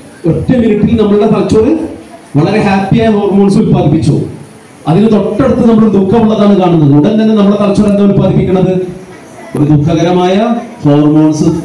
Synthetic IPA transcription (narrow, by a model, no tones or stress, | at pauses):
o̞tːɐmːiniʈːilnɐmːɐɭuɽetɐlɐt͡ɕːoːriʋɐɭɐɾehaːpːijaːjɐfo̞ːrmoːɳsulpaːɡipːit͡ɕːṵ | ɐðinɨt̪o̞ʈːe̞ɽɨt̪ːɨnɐmːɐɭoɾud̪ukʰːɐmuɭːɐðaːɳɨkaːɳunːɐðɨuɽɐnd̪ɐnːenɐmːɐɭet̪ɐlɐt͡ɕːorend̪aːmulpːaːd̪ipʲːikʲːuɳːɐðɨ | o̞ɾud̪ukʰːɐɣɐɾɐmaːjɐfoːrmoːɳsɨ